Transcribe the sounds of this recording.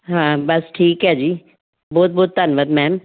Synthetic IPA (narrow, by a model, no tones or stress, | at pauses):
ɦãːbɐsʈʰiːkɦɛd͡ʒiː | bɔːt̪̚bɔːt̪ːanʋəd̪mɛ̃ːm